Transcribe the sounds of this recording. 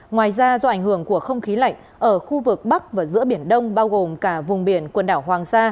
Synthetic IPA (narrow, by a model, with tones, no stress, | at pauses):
ŋwaː˨˩jzaː˧zɔ˧ʔa˧˩jŋ̟hɨ˧˩əŋku˧˩əxə˧wŋ͡mxi˨˦la̰˧˨jŋ̟ | ʔəː˧˩xu˧vɨ˨˩k̚ɓa˦˥k̚vaː˨˩zɨ̰˧˥əɓi˧˩ənɗə˧wŋ͡mɓaː˧wɣo˨˩mkaː˧˩vʊ˨˩ŋ͡mɓi˧˩ənkwə˨˩nɗaː˧˩wɦwaː˨˩ŋsaː˧